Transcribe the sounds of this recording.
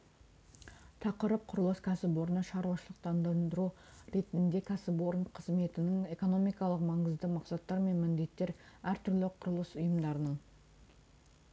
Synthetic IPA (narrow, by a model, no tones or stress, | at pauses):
t̪ʰɑqəɾəp̚qʰʊɾəlˠəskʲʰæsɪpwo̞ɾənəʃɑɾwɑʃəlˠəq̚t̪ɑnd̪ɑnd̪əɾuɾe̞t̪ɪnɪnd̪e̞kʲʰæsɪpwo̞ɾəɴqʰəzme̞t̪ɪnɪŋe̞ko̞no̞mijkɑlˠəqmɑɴəzd̪əmɑqsɑt̪ːɑɾme̞nmɪnd̪e̞t̪ːe̞ɾæɾt̪ʰʏɾlɪqʰʊɾəlˠəsʊjəmd̪ɑɾənəɴ